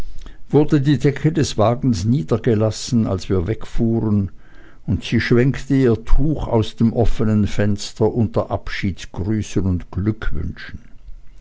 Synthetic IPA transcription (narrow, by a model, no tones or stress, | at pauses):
v̥ʊɐdədiːdɛkʰədɛsv̥aːɡn̩sniːdɐɡəlasn̩a̰lsv̥iːɐvɛkfuːʁən | ʊntsiːʃv̥ɛŋktəiːɐtʰuːxa̰ʊsd̥eːmʔɔfənənfɛnstɐʔʊntɐʔapʃiːtsɡ̥ʁyːsənʊntɡ̥lʏkʰvʏ̰nʃn̩